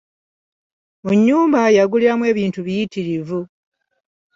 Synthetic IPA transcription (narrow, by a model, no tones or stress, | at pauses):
muɲːuːmbajaɡuliɾamwe̞ːβiːntuβijitiɾivu